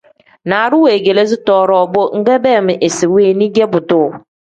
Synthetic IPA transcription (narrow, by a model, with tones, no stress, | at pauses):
na˨ɾʊ˦we˨ɡe˨le˦s̬ɪ˦tɔː˦˨ɾɔː˨bo˦ŋ̩˦ɡɛ˦bɛ˦˨mɪ˨ʔe˨sɪ˨weː˦˨nĩ˦ɡe˦bʊ˨tʊ˦˨